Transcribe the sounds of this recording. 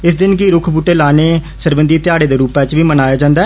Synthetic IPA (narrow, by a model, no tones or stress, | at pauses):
ɪsd̪ɪnɡiːɾʊkʰbuːʈeːlaːneː | səɾbənd̪iːt̪ɪjaːɽeːd̪eːɾuːpɛt͡ʃʋiːmənaːjaːd͡ʒãːnd̪aːɛ